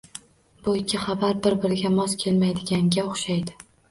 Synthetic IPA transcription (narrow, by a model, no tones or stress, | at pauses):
bʊɪkʲʰːɪχɑbaɾbɪɾbɪɾɪɡʲamɒskʲʰe̞lmajd̪ɪɡʲaŋɡʲaoχʃajd̪ɪ